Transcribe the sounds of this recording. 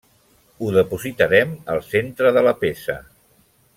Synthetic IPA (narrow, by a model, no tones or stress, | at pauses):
uðəpuzit̪əɾɛməlˠsent̪ɾəðələpesə̰